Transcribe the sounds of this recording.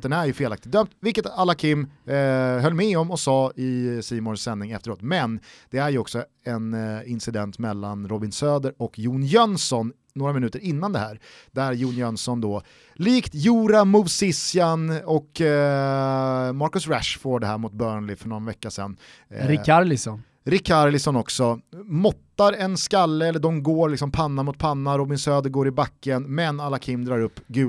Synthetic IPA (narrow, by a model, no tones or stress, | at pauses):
ɛnæɾjɵfeːlakt̪ɪt̪̚d̪œmt̪vɪlkːət̪alːakʰɪmː | hœlːmɛɔmɔsɑːɪsiːmɔnsːɛnːɪŋɛ̰ft̪əɾoːt̪mɛnd̪̥ɛæɾjɵɔksɔ | ɛnɪnsɪd̪ɛnt̪mɛlːanɾɔbɪnsøːd̪əɾɔkjuːnjœnsɔn | noːɾamɪnʉːt̪əɾɪnːand̪ɛhæːɾ | d̪̥æɾjuːnjœnsɔnd̪oː | liːkt̪juːɾamʊvsɪsɪanɔk | maɾkɵsɾæʂfoːɖɛhæ̰ːɾmʊt̪̚bœːɳlɪfœɳɔnvɛkːasɛ̰nː | ɾɪaɾlɪsɔn | ɾɪkʰːaɾlɪsɔnɔksɔmɔt̪ːaɾɛnskalːəɛlːəɖɔmɡoːɾlɪksɔmpʰanːamʊt̪̚pʰanːaɾɔbɪnsøːd̪əɾɡoːɾɪbakːənmɛnalːakʰɪmːd̪ɾɑːɾɵpːɡʉ̟ː